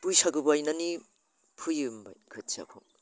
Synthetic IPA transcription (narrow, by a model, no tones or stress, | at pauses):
pujsaɡɯbuajnani | pʰɯjɯmba̰jkʰɯtsa̰kʰoŋ